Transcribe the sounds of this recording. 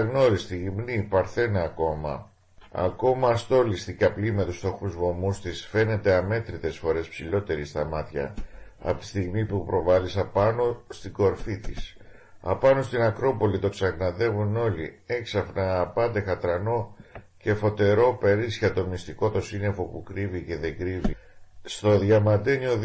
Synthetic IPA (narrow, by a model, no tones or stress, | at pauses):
ɐɣno̞ɾist̪iʝimnipɐɾθe̞nɐːko̞mɐ̰ | ɐ̰ko̞mɐst̪o̞list̪icɐplime̞t̪ust̪o̞xuzvo̞must̪isfe̞ne̞t̪e̞ɐme̞t̪ɾit̪e̞sfo̞ɾe̞spsilo̞t̪e̞ɾist̪ɐmɐt̪çɐ̰ | ɐ̰ot̪i̥st̪iɣmipupɾo̞vɐlisɐpɐno̞st̪iɡo̞ɾfit̪is | ɐ̰pɐno̞st̪inɐkɾo̞po̞lit̪o̞ksɐɣnɐðe̞vuno̞lḭe̞ksɐfnɐːpɐnd̪e̞xɐt̪ɾɐno̞ | ce̞fo̞t̪e̞ɾo̞pe̞ɾisçɐt̪o̞mist̪iko̞t̪o̞sine̞fo̞pukɾivice̞ðe̞ɡɾivist̪o̞ðʝɐmɐnd̪e̞nio̞